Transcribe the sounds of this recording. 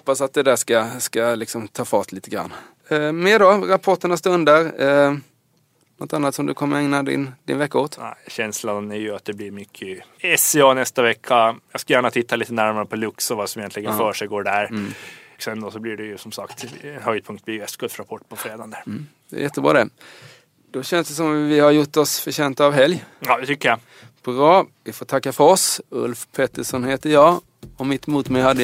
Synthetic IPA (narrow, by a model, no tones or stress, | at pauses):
hhɔpːasat̪̚d̪ɛd̪æʂkaskalɪksɔmt̪ʰɑːfɑːt̪ʰliːt̪əɡɾa̰nː | meːɖɑɾapʰɔʈːəɳast̪ɵnd̪əɾ | nɔt̪anːat̪sɔmd̪ɵkʰɔmːəɾɛŋnad̪ɪ̰nd̪ɪ̰nvɛkːaoːt̪æ̰ɪɕɛnslanæɾjɵat̪̚d̪ɛblɪɾmʏkʰːəɛsɛɑːnɛst̪avɛkʰːajɑːɡskajæːɳat̪ʰɪt̪ʰːaliːt̪ənæɾmaɾəpʰɔlɵksɔvɑːsɔmɪjɛnt̪lɪɡənfœːʂɛjɡoːɖæɾ | sɛnd̪ɔsɔblɪɖɛjʉsɔmsakt̪ɛnhœɡd̪̚pʰɵŋkt̪̚blɪɾjɛst̪ɡ̥ɵlfɾapʰɔʈːpʰɔfɾeːd̪ɑnd̪æɾ | d̪ɛ̰æ̰jɛt̪ːəbɾɑ̰ːd̪ɛ | d̪̥ɔɕɛnsd̪ɛs̬ɔmvɪhaɾjʊʈːɔsfœɕɛːnt̪aːvɦɛljɑːd̪ɛt̪ʰʏkːəja | bʰɾɑːvɪfoːt̪ʰakːafœɾɔsɵ̰lfpʰɛt̪ːəʂɔnheːt̪əɾjɑː | ɔmɪt̪ːmuːt̪mɛjhad̪ːə